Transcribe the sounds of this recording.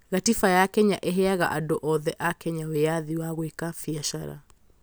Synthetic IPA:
ɣatifajakɛɲaʔeɦɛaɣa̰ʔadoʔɔðɛʔakɛɲawejaðiwaɣwekafiaʃaɾa̰

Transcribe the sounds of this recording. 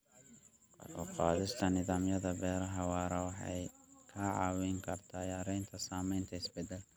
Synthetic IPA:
ɔqɑːðɪst̪ʰɐnɪðaːmjɐðɐbɛːɾɐɦɐwɑːɾɐwɑħɑ̰jkʰɐʕɑ̰ːwɪŋkʰɐrt̪ʰaːjaːɾɛjnt̪ʰɐsaːmɛjnt̪ʰɐɪsbɛd̪ɛl

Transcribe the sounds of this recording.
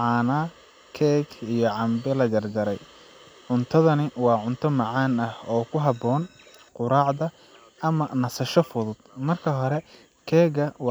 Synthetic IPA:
ʕɑːnaː | kʰɛːɡijɔʕɑmbɛlɐd͡ʒɐrd͡ʒɐɾɛj | ʕʊnt̪ʰɐðɐnɪwɑːʕʊnt̪ʰɔmɑʕɑːnɐhɔːkʰʊɦɑbɔːn | qʊɾaːʕðɐ | ʔɐmɐnɐsɐʃɔfʊðʊd̪̥̚mɐrkʰɐɦɔɾɛ | kʰɛːɡɐwɑː

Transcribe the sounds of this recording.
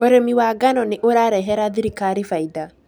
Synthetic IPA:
oɾɛmiwaɡanɔneʔoɾaɾɛɦɛɾaðiɾikaɾifaida

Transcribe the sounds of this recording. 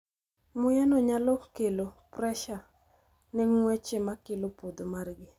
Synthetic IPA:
mʊjɛnɔɲalɔkelopɾɛʃa | nɛŋwɛt͡ʃemakɪlopod̪omarɡɪ

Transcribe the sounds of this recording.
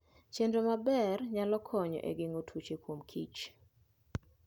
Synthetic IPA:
t͡ʃendomabɛrɲalɔkʰɔɲɔ̰ʔḛɡeŋotʰut͡ʃekwomkʰit͡ʃ

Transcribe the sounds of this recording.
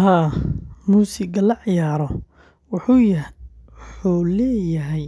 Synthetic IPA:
haːmuːsɪɡɐlɐʕɪjaːɾɔ | wʊħuj | ħulɛːjɐɦɛj

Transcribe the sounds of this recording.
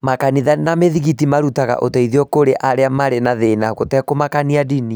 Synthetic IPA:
makaniðanameðiɣitimaɾutaɣa̰ʔotɛiðiɔkoɾeʔʔaɾeamaɾenaðenaɣotɛkomakaniadini

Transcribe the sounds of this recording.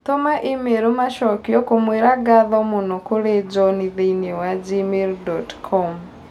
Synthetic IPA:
tomaʔimeɾomaʃɔkiokomweɾaɡaðomunokuɾed͡ʒoniðeiniowad͡ʒimeldɔtkʰɔm

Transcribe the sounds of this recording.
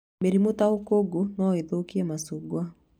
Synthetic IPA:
meɾimotaokoɡonɔeðokiɛmasuɡwa

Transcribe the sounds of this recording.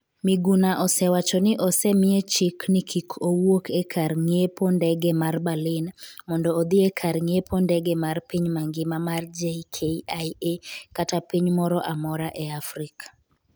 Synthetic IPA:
mɪɡunaʔɔsɛwat͡ʃɔnɪʔɔsɛmɪet͡ʃiknɪkʰikʰowokʰekʰarŋepondɛɡɛmarbalɪnmɔndɔːd̪ɪekʰarŋepʰondɛɡemarpiɲmaŋɡɪmamard͡ʒekʰeaiekatapiɲmɔɾɔʔamɔɾaʔɛafɾikḁ

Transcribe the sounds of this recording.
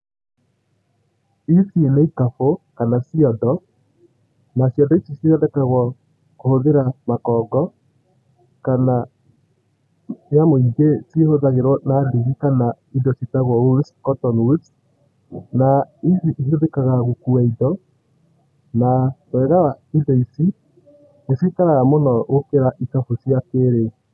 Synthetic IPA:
isieneikafokanasiɔdɔ | nasiɔdɔisisieɛdɛkaɣwɔ | kohoðeɾamakɔːɡɔ | kana | jamoiɡesiehoðaɣeɾwɔnaliɣikana | idɔsitaɣwɔuskɔtɔnwus | naiziihioðekaɣaɣokuaidɔ | nawɛɣawaidɔisi | nesetaɾaɣamonɔɣokeɾaʔikafosiakeɾei

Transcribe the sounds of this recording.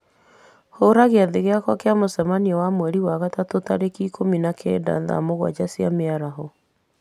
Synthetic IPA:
hoːɾaɣeaðeɣeakwakeamosɛmaniɔwamwɛɾiwaɣatatotaɾekikʰominakʰɛ̰da̰ða̰moɣwa̰d͡ʑasiameaɾaɦɔ

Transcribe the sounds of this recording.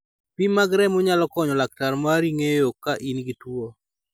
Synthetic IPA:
pimaɡɾɛmʊɲalɔkɔɲɔlak̚taɾmaɾiŋejokaʔinɡitwo

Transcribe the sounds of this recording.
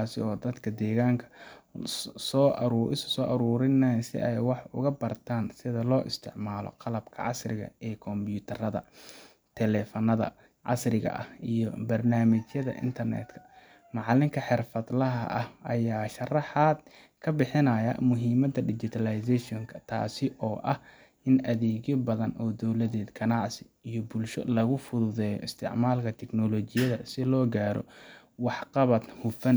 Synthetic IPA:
aːsɪ̰ɔːd̪ɐd̪kʰɐd̪ɛːɣaːŋkʰɐ̥ | sɔɾːʔɪ̰ssɔːʔɐɾuːɾɪnɛːnsɪ̰ʔɛjwɑħʊ̰ɣɐbɐrt̪ʰaːnsɪðɐlɔːʔɪst̪ʰɪʕmaːlɔ̰qɑlɐbkʰɐ̰ʕɑsrɪɣɐ̰ɛːkʰɔmbjuːt̪ʰɐrɐðɐ̰ | t̪ʰɛlɛːfɐnɐðɐ̰ | ʕɑ̰srɪɣɐ̰ʔɐhijɔbɐrnaːmɪt͡ʃjɐðɐ̰ʔɪ̰nt̪ʰɐrnɛ̰ːd̪kʰɐ̥ | mɑʕlɪŋkʰɐħɪrfɐd̪lɐɦɐʔɐhɐjaːʃɐrɑħaːd̪̚ | kʰɐbɪħɪnɐjɐ̰mʊɦiːmɐd̪ɐɖɪt͡ʃɪt̪ʰɐlɐjsɛʃɔŋkʰɐ̥t̪ʰa̰ːsɪʔɔːʔɐh | ɪnʔɐðɛːɣjɔbɐðɐnɔːd̪ɔwlɐðɛːd̪kʰɐnɑʕsɪ | ijɔbʊlʃɔ̰lɐɣʊfʊðʊðɛːjɔ̰ɪst̪ʰɪ̰ʕmaːlkʰɐt̪ʰɛknɔlɔt͡ʃɪjɐðɐsɪlɔːɡaːɾɔ̰ | wɑħqɑβɐt̪hʊfɐn

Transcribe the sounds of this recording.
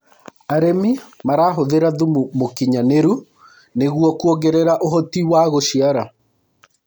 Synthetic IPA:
aɾemimaɾaɦoðeɾaðumumokiɲaneɾu | neɣuɔkuɔɣɛɾɛɾaʔoɦɔtiwaɣoʃiaɾa

